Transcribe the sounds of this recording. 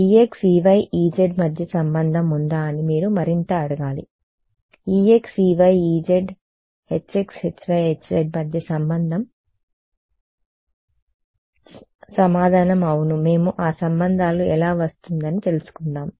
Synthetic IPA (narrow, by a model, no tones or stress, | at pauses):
iːeksiːʋɐjiːd͡ʒeɖmɐd̪ʱjɐsɐmbɐnd̪ʱɐmund̪aːɐnimiːɽumɐɾint̪ɐɐɽɐɡaːlḭ | iːeksiːʋɐjiːd͡ʒeɖ | het͡ʃːekshet͡ʃʋɐjɦet͡ʃːeɖmɐd̪ʱjɐsɐmbɐnd̪ʱɐm | sɐmaːd̪ʱaːnɐmɐwunume̞ːmuʔaːsɐmbɐnd̪ʱaːluɛlaːʋɐst̪und̪ɐnit̪e̞lusu̥kuɳɖaːm